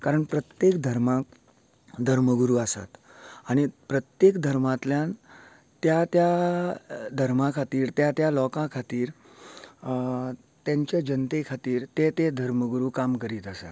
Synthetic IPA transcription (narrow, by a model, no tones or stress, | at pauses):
kaɾəɳpɾət̪jekd̪ʱəɾmãk | d̪ʱəɾməɡuɾuasa̰t̪ | aɽ̃ipɾət̪jekd̪ʱəɾmãt̪ljãn | t̪jat̪ja | d̪ʱəɾmãkʰat̪iːɾt̪jat̪jalɔkãkʰat̪iːɾ | t̪jãɲt͡ɕjad͡ʑənt̪ekʰat̪iːɾt̪et̪ed̪ʱəɾməɡuɾuːkamkəɾiːt̪əsa̰t̪